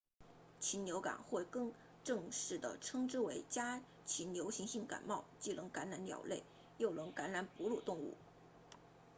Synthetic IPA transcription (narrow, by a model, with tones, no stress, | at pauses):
t͡ɕʰi˧˥njo˧˥ʊka̰˨˩nxwe˥˧ɪkɤ˥˧ŋ | ʈ͡ʂɤ˥˧ŋʂɻ̩˥˩d̪ə̰˩ʈ͡ʂʰɤ˥ŋʈ͡ʂɻ̩˥we˧˥ɪt͡ɕja˥ | t͡ɕʰi˧˥nnjo˧˥ʊɕi˧˥ŋɕi˥˩ŋka̰˨˩nmɑ˥˩ʊt͡ɕi˥˩lʔɤ˧˥ŋka˧˥nɻa˧˥nljɑ̰˨˩ʊle˥˩ɪ | jo˥˩ʊlɤ˧˥ŋka˧˥nɻa˧˥npu˧˥lu˥˩t̪ʊ˥˧ŋṵ˥˩